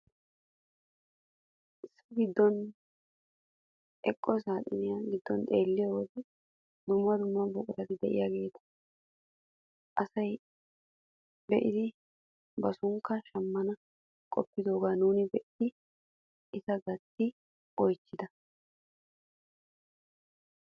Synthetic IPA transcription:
ʔɪsːɐɡɪd̪ːɔn | ʔɛkʼːɔsaːt̪ʼɪ̰nɪjaɡɪd̪ːɔnt̪ʼeːlːɪjowɔd̪ɛ | d̪ʊmːɐd̪ʊmːɐbʊkʼʊt̪ɐt̪ɪd̪ɛʔɪ̰jaɡe̞ːt̪ɐ̥ | ʔɐsɐj | bɛʔɪd̪ɪ | bɐsʊŋkːɐʃɐmːɐnɐ | kʼɔpːɪd̪o̞ːɡaːnuːnɪbɛʔɪd̪̥ɪ | ʔɪzɐɡɐt̪ːɪ | ɔjt͡ʃːɪd̪ɐ

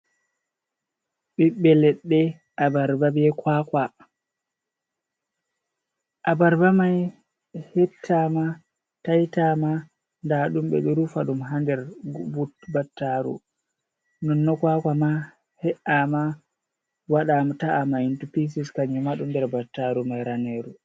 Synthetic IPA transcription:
ɓiɓːɛlɛɗːɛ | ʔabaɾbabɛkwaːkwa | ʔabaɾbamaj | hɛtʰːama | tajtama | ndaɗumɓɛ̰ɗuɾufaɗumɦandɛɾbubatːaɾṵ | nɔnːɔkwakwama | hɛʔama | waɗamtaamaintupis̬iskaɲumaɗumdɛɾbatːaɾumajɾaneɾu

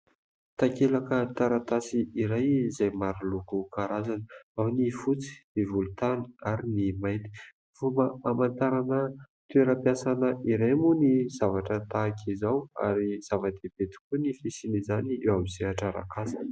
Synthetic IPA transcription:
t̪akelakət̪aɾat̪asiiɾajzajmaɾilukukaɾazanəawnifut͡si̥ivulut̪ani̥aɾinimaj̪t̪i̥ | v̥uməamant̪aɾanə | t̪ueɾəpjasanəiɾajmunizavaʈ͡ʂət̪akʰizawa̰ɾiz̥avad̪eb̥et̪i̥kunifisinizaniewamisiaʈ͡ʂaɾa̰kasḁ

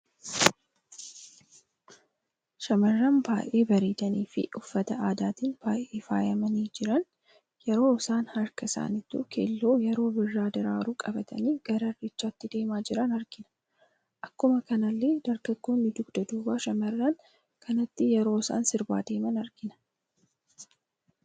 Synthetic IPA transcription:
ʃɐmɐrːanbaːjʔe̞ːbɐɾiːd̪ɐniːfɪ̰ʊfːɐt̪ɐaːd̪aːt̪ɪnb̥aːjʔeːfa̰ːjɐmɐniːd͡ʒɪɾɐn | jɛɾo̞ːɪsaːnhɐɾkɐɪsa̰ːnɪt̪ṵkʰḛːlːo̞ːjɛɾo̞ːbɪrːaːd̪ɪɾa̰ːɾuːkʼɐbɐt̪ʰɐ̰niːɡ̥ɐɾɐrɪt͡ʃːaːt̪ːɪd̪e̞ːmaːd͡ʒɪɾɐnɐɾɡɪnɐ̥ | ʔɐkːʊmɐkɐnɐlːe̞ːd̪ɐɾɡɐɡoːnːɪd̪ʊɡd̪ɐd̪uːwaːʃɐmɐrːɐn | kʰɐnɐt̪ːɪjɛɾo̞ːɪsa̰ːnsɪɾba̰ːd̪e̞ːmɐnɐɾɡɪnɐ̥

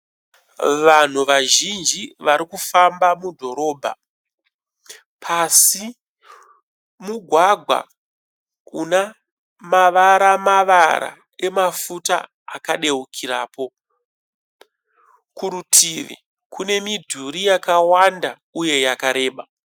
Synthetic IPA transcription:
ʋan̤uʋaʒind͡ʒiʋaɾikufambamudʱo̞ɾo̞ːbʱa̰ | pʰasi | muɡʱwaɡʱwa̰ | una | maʋaɾamaʋaɾa̰ | e̞mafuta̰ | akaɗe̞ukʰiɾaːpo̞ | kuɾutʰiʋḭ | kune̞midʱuɾijakawanda | uje̞jakaɾe̞ːɓa

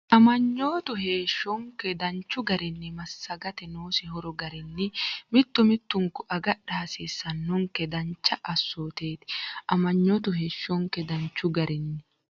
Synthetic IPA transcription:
ʔɐmɐɲːo̞ːt̪ʊɦe̞ːʃːɔŋkɛd̪ɐnt͡ʃːʊɡɐɾɪnːɪmɐsːɐɡɐt̪ɛnoːsɪhɔɾɔɡɐɾɪnːɪmɪt̪ːʊmɪt̪ːʊŋkːʊʔɐɡɐɗɐɐsiːsːɐnːʊŋkɛd̪ɐnt͡ʃːɐʔɐsːoːt̪e̞ːt̪ɪ̥ʔɐmɐɲːoːt̪ʊɦe̞ːʃːɔŋkɛd̪ɐnt͡ʃːʊɡɐɾʔɪnːɪ

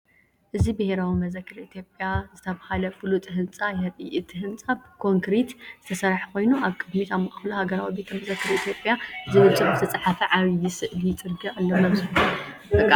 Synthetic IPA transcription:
ʔɨzibɨheɾawimɐzɐkʰːɨɾit̪ʰjo̞pʼjazɨt̪ʰɐβahalɐfɨlut̪ʼɨɦɨnt͡sʼajɐɾḭʔit̪ʼɨɦɨnt͡sʼabɨkʰo̞ŋkʰɾit̪zɨ̥t̪ʰɐsɐɾaħkʰo̞jnuʔaβkʼɨd̪mit̪ʰamːɐʔaxluhaɡɐɾawibe̞t̪ʰɐmɐzɐkːɨɾit̪ʰjo̞pʼjazɨɨsʼɨbzɨt̪ʰɐt͡sʼɐħafɐʕaβjɪsɨʔlit͡s̪ʼɨɾɡialːomaβzɨhɨɨa

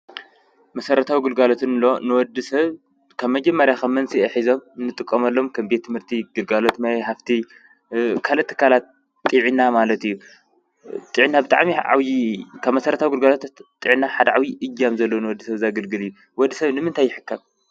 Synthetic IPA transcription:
mɐsɐɾɐt̪ʰawiɡɨlɡalot̪ʰɨnlo̞nɨwɔd̪ːisɐβ | kʰɐβmɐd͡ʒɐmːɐɾjakʰɐmːɐnsiɐħizo̞mnːɨt̪ʼɨkʼːɐmɐlːo̞mkʰɐmbet̪ʰːɨmhɨɾt̪ʰiɡ̥ɨlɡalo̞t̪majɦaft̪ʰi | kʰalɐt̪ʰːɨ̥kʰalat̪ | t̪ʼːiʕinamalɐt̪ijːu | t̪ʼɨʕinabɨt̪ʼa̰ʕmiʕa̰wjikʰaβmɐsɐɾɐt̪ʰawiɡɨlɡalot̪t̪ʼɨʕinːaħad̪ɐʕawiʔɨjːamzɐlːonɨwɔd̪ːisɐβzaɡɨlɡɨlɨjːu | wɔd̪ːisɐβnɨmɨnt̪ʰajːɪħɨkʰːam

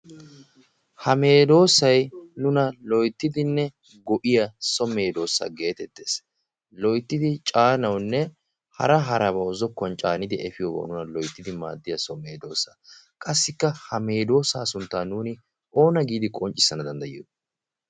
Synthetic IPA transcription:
hɐme̞ːd̪o̞ːsɐjnʊnɐlɔjt̪ːɪd̪ɪnːɛ | ɡɔʔɪjɐsɔme̞ːd̪o̞ːsːa̰ɡe̞ːt̪ɛt̪ːe̞ːs | lɔjt̪ːɪd̪ɪt͡ʃʼaːnɐwnːɛ | hɐ̰ɾɐɦɐɾɐbɐɔzɔkːɔnt͡ʃʼaːnɪd̪ɪʔɛfɪjɔːbo̰nʊnɐlɔjt̪ːɪd̪ɪma̰ːd̪ːɪjɐsɔmeːd̪o̞ːsɐ | kʼɐsːɪkːɐhɐme̞ːd̪o̞ːsaːsʊnt̪ːaːnuːnɪ | ʔo̞ːnɐɡiːd̪ɪkʼɔnt͡ʃʼːɪ̥sːɐnɐd̪ɐnd̪ɐjɪjo

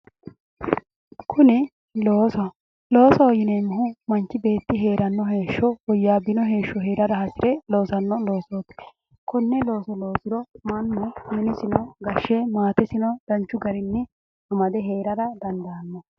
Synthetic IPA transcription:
kʰʊnɪ | loːsɔɐ | lo̞ːsɔɔjɪnemːʊɦʊmɐnt͡ʃːɪbe̞ːt̪ːɪɦe̞ːɾɐnːɔɦe̞ːʃːɔwɔjːaːbɪnɔɦe̞ːʃːɔɦeːɾɐɾɐhɐsɪɾɛlo̞ːsɐnːɔlo̞ːsoːt̪ | kɔnːɛlo̞ːsɔlo̞ːsɪɾɔmɐnːɔmɛnɪsɪnɔɡɐʃːemaːt̪ɛsɪnɔd̪̥ɐnt͡ʃːʊɡɐɾɪnːɪ | ɐmɐd̪ɛɦe̞ːɾɐɾɐd̪ɐnd̪ɐɐnːɔ

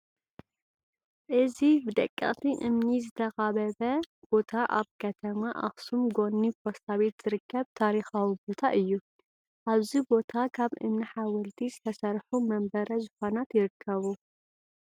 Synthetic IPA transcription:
ʔɨzibɨd̪ɐ̰kʼːɐ̰χʼt̪ʰiʔɨmnizɨt̪ʰɐxaβɐβɐ | b̥o̞t̪ʰaʔa̰βkʰɐt̪ʰɐmaʔa̰xsumɡo̞nːifosaβet̪z̥ɨɾɨkʰːɐβt̪ʰaɾixawibo̞t̪ʰaʔɨjːu | ʔaβzibo̞t̪ʰakʰaβʔɨ̰mniħawɐlt̪ʰizɨt̪ʰɐsɐɾħumɐmbɐɾɐzɨxonat̪jɪɾɨkʰːɐβu

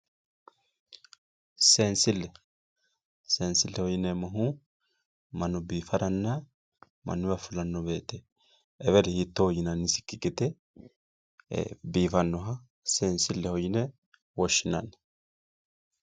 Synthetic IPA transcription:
seːnsɪlːɛ | seːnsɪlːɛhɔjɪnɛmɐɦu | mɐnːɔbiːfɐɾɐnːa | mɐ̰nːʊbɐfʊlɐnːɔbeːt̪ːɛ | ɛβɛɾɛhit̪ːohɔjɪnɐnːɪsɪ̥kːɪɡʼɛt̪ɛ | biːfɐnːɔɦɐ | seːnsɪlːɛhɔjɪnɛ | wɔʃːɪnɐnɛ̥

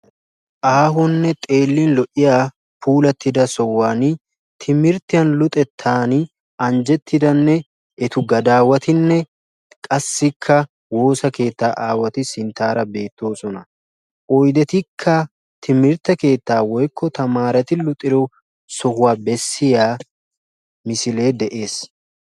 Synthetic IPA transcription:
ʔaːɦɔnːɛt̪ʼe̞ːlːɪnlɔʔɪjaː | pʰuːlɐt̪ːɪd̪ɐsɔwaːn | t̪ʰɪmɪɾt̪ːɪjɐnlʊt̪ʼɛt̪ʰːaːnɪ | ɐnd͡ʒɛt̪ːɪd̪ɐnːɛ | ɛt̪ʊɡɐd̪aːwɐt̪ʰɪnːɛ | kʼɐsːɪkʰːɐ | wo̞ːsɐke̞ːt̪ːaːʔaːwɐt̪ɪsɪnt̪ːaːɾɐbe̞ːt̪ːo̞ːsɔnɐ | ʔɔjd̪ɛt̪ɪkʰːɐ | t̪ʰɪmɪɾt̪ːɐke̞ːt̪ːaːwɔjkʰːɔt̪ɐmaːɾɐt̪ɪlʊt̪ʼːɪɾɔ | sɔhʊwaːbɛsːɪjaː | mɪsɪle̞ːd̪ɛʔe̞ːs

